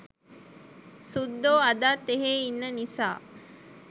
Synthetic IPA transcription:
sud̪ːoːad̪aːt̪ːeɦeːinːənisaː

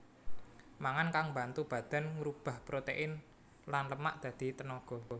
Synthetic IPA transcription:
maŋankaŋmbant̪ub̥ä̤d̪̥a̤nŋɾub̥a̤hpɾot̪eʔɪn | lanləmaʔd̪̥ä̤d̪̥i̤t̪ənɔɡ̥ɔ̤

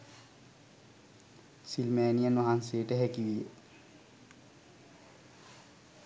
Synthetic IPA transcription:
silmæːnijənʋaɦanseəʈəɦækiʋijə

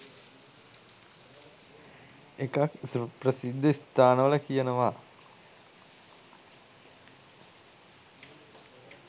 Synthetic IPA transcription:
ekaksupɾɐsid̪ʱːɐst̪ʰaːnɐʋɐlɐkijɐnɐʋaː

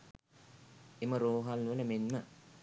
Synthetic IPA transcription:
eməɾoːɦalʋələmenmə

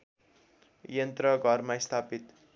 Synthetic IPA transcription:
jʌnt̪rʌɡʱʌrmast̪ʰapit̪

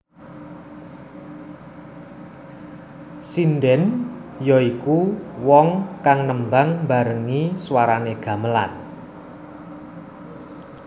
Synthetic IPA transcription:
sindɛnjɔikuwɔŋkaŋnəmbaŋmbaɾəŋiswaɾaneɡ̥ä̤məla̰n

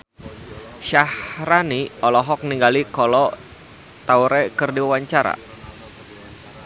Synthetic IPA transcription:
ʃahɾaniɔlɔɦɔk̚niŋɡalikɔlɔ | t̪awɾɛkɨrdiwawaɲt͡ʃaɾa̰

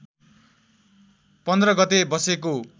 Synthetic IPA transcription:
pʌnd̪rʌɡʌt̪ebʌseko

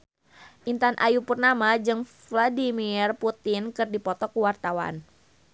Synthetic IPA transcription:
ʔint̪anʔajupərnamad͡ʒɨŋfladimirput̪ɪnkɨrdipɔt̪ɔkuwart̪awa̰n

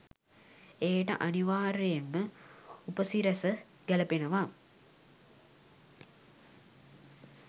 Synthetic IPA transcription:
eːʈə̰ʔaniʋaːɾejenməupəsiɾəsə | ɡæləpenəʋa

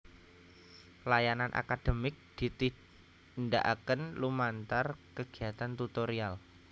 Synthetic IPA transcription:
lajananʔa̰kad̪̥ə̤mɪk̚d̪̥i̤t̪i | nda̰ʔakənlumant̪arkəɡ̥iɦat̪ant̪ut̪oɾial

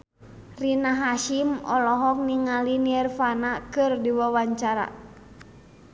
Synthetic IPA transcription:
rinaɦaʃimɔlɔɦɔk̚niŋaliniɛrfanakɨrdiwawaɲt͡ʃaɾa̰

